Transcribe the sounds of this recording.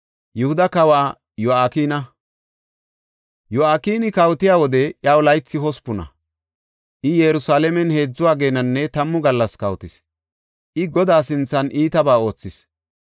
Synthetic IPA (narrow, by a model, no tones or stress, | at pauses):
jɛhʊd̪ɐkɐwaː | jɔaːkiːnɐ | jɔaːkiːnɪkɐwt̪ɪjaːwɔd̪ɛjɐwlɐjt͡sːɪɦɔspʊnɐ̰ | ʔɪjɛɾʊsaːlɛmɛnhe̞ːd͡zːʊwaːɡeːnɐnːɛt̪ɐmːʊɡɐlːɐskɐwt̪ɪs | ʔɪɡɔd̪aːsɪnt͡sːɐnʔiːt̪ɐbaːo̞ːt͡sːɪs